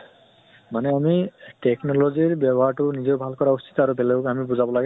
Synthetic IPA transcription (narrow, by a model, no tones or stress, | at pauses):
manɛamitɛknɔlɔziɹbɔbɔɦaɹtʊnizeʊbʱalkɔɹausi̥tɔaɹubɛlɛkamibuzabɔlaɡɛ